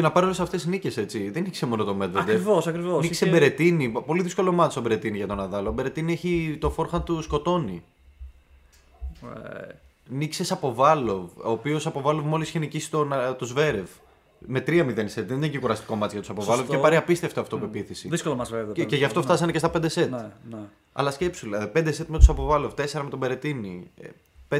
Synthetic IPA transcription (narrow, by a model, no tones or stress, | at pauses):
enɐpɐɾiolesɐft̪e̞snice̞se̞t͡siðeniksemo̞not̪omet̪veɐd̪evosɐkɾivoniksebeɾet̪inipo̞liðisko̞lo̞mɐt̪ist̪obeɾe̞t̪iniʝɐt̪o̞nɐðɐlobe̞ɾe̞t̪inieçit̪o̞fo̞ɾxɐnt̪usko̞t̪o̞ni | niksesɐpo̞vɐlo̞voːpio̞sɐpo̞vɐlo̞vmo̞lisiçenicisi̥t̪ont̪ozve̞ɾe̞v | me̞t̪ɾiɐmiðenise̞t̪ðenincikuɾɐst̪i̥ko̞mɐt̪iʝɐt̪u̥sɐpovɐllovepɐɾiɐpist̪e̞ft̪oɐft̪opuepiθisiðiskolomɐsveðoceʝɐft̪o̞ft̪ɐs̬ɐnecest̪ɐped̪eset̪n | ɐ̰lɐsce̞psulɐðipe̞nd̪ese̞t̪me̞t̪u̥sɐpo̞vɐlo̞vt̪e̞seɾɐme̞t̪obe̞ɾe̞t̪ini | p